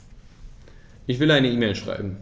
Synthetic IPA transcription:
ʔɪçv̥ɪlaɪnəiːmɛɪlʃʁ̥a̰ɪbm̩

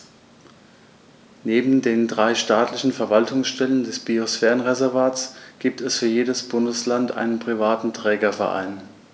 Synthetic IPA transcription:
neːbm̩deːndʁaɪʃtaːtʰlɪçn̩fɛɐvaltʰʊŋsʃtɛləndɛsb̥iosfɛːʁənʁezɛɐvaːtsɡ̥iːp̚tʰɛsfyːɐjeːdəsb̥ʊndəslantʔa̰ɪnənpʁ̥ivaːtn̩tʁ̥ɛːɡɐfɛɐʔa̰ɪn

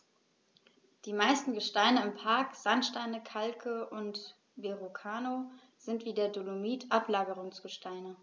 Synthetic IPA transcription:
d̥iːmaɪstn̩ɡəʃtaɪnəɪmpʰaɐkz̥antʃtaɪnəkʰalkʰəʔʊnt | veʁokʰaːno | z̥ɪntv̥iːdeːɐdonomiːtʰʔaplaːɡəʁʊŋsɡ̥əʃtʰaɪnə

